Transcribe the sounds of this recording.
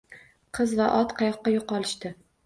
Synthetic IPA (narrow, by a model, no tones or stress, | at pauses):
qʰɨzvaʔɒt̪qʰɑjɒqːɑjoqɒlˠɪʃt̪ɪ